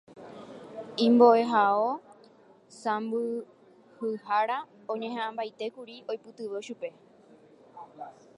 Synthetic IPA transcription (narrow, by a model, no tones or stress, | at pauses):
ĩmbo̞ʔe̞ɦao̞ | sãmbɨ | hɨɦaɾa | õ̞ɲẽɦãʔãmbajt̪e̞kuɾio̞jpɨt̪ɨʋeʃupe̞